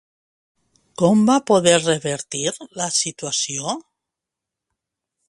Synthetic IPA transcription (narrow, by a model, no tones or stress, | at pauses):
kombapoðeɾreβeɾt̪iɾlasit̪wasjo